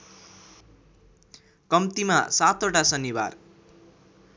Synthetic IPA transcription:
kʌmt̪ima̰sat̪ʰoʈasʌniwa̰r

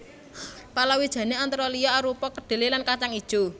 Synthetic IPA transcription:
palawid̥ʒ̥ä̤neant̪ɾɔliaaɾupɔkəɖ̥e̤lelankat͡ʃaŋid̥ʒ̥o̤

